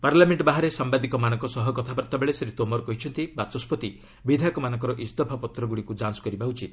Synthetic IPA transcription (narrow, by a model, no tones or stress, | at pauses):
paɾlameɳʈɔbaɦaɾesambad̪ikɔmanɔ̃ŋkɔsɔɦɔkɔt̪ʰabɔɾt̪abeɭesɾet̪omɔɾɔkɔɦit͡ʃʰɔnt̪ibat͡ʃɔspɔt̪i | bid̪ʱakɔmanɔ̃ŋkɔɾɔʔist̪ɔpʰapɔt̪ɾɔɡuɽikud͡ʒansɔ̥kɔɾibaɦut͡ʃʰi